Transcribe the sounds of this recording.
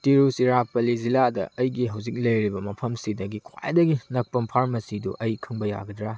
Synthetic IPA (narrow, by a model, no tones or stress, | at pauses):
tiɾusiɾapɐliziladɐ̰ɐjɡiɦɐwzik̚lɐjɾibɐmɐpʰɐmsidɐɡikʰwa̰j̰dɐɡinɐk̚pɐmpʰaɾmɐsidṵʔɐjkʰɯŋbɐja̰ɡɐdɾa